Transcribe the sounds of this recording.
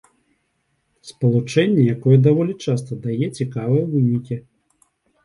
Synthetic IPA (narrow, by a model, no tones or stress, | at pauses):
spɐlˠut͡ʂɛnʲːɛjakɔjɛd̪avɔlʲit͡ʂast̪ɐd̪ajɛt͡sʲikavɨjɐvɨnʲikʲi